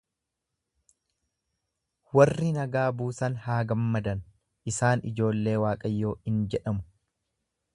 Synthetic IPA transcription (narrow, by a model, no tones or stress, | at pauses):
wɐrːɪnɐɡaːbuːsɐnhaːɡɐmːɐd̪ɐn | ʔɪsaːnɪ̰d͡ʒo̞ːlːe̞ːwaːkʼɐjːoːhɪnd͡ʒɛᶑɐmʊ̥